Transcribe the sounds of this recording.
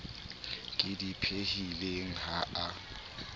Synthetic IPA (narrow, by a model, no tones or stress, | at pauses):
kʼɪdipʰehileŋ̩haʔa